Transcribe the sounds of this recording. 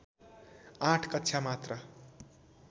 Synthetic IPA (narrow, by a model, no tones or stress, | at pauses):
ãʈʰkʌtːʃʰamat̪rʌ